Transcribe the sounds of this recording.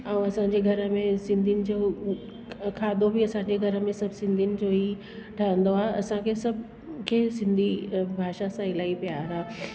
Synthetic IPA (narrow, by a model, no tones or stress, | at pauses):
ɐũɐsãːɲd͡ʑeɡʱɐɾəmẽsɪ̃nd̪ʱinɪ̆d͡ʑoː | kʰaːd̪ʱobiɐsãːɲd͡ʑeɡʱɐɾə̆mẽsɐbʱsɪ̃nd̪ʱinɪ̆d͡ʑoːɦi | ʈʰaːə̃n̆d̪oaːeɐsãkʰesɐbʱ | kʰeːsɪ̃nd̪ʱibʱaːʃasãɪlaːipijaːɾaː